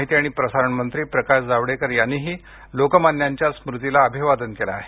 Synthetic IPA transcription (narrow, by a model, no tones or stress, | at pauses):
ɦit̪iːaɽ̃ipɾəsaɾəɳmənt̪ɾiːpɾəkaɕd͡zaʋɽekəɾjanːiːɦiː | lokəmanːjaɲt͡ɕjasmɾut̪ilaəbʱiʋad̪ənkela̰ɦe